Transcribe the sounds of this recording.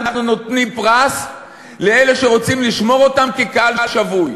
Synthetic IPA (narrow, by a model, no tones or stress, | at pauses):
aχnunotnimpʁas | le̞ele̞ʃe̞ʁo̞t͡simliʃmo̞ʁo̞tamkekaalʃavuj